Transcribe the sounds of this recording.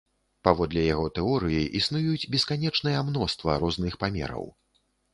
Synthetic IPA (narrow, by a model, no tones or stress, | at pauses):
pavɔd̪lʲɛjaɣɔt̪ɛɔɾɨjiʔisnujud͡zʲbʲɛskanʲɛt͡ʂnɨjɐmnɔst̪vɐ̰ɾɔznɨxpamʲɛ̰ɾɐ̰w